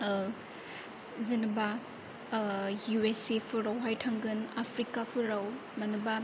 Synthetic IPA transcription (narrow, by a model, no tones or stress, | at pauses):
zɐnɯba | juesepʰuɾawɦajtʰɐŋɡɯnapʰɾikapʰɯɾaw | mɐnɯba